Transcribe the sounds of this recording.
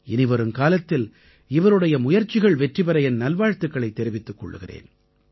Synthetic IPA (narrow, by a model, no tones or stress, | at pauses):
ɛnɪʋɐɾɯmkaːlɐt̪ːɪl | ɪʋɐɾɯɽɐjɐmʊjɐɾt͡ʃːɪɣɐɭʋɛʈrɪpɐɾɐjɛnnɐlʋaːɻt̪ɯkːɐɭɐɪt̪ːɛɾɪʋɪt̪ːɯkːɔ̰ɭːɯ̰ɣɪrḛːn